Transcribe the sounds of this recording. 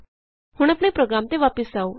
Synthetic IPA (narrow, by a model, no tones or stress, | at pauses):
huːɳ̃apɳ̃epɾoɡɾamt̪eʋapəsau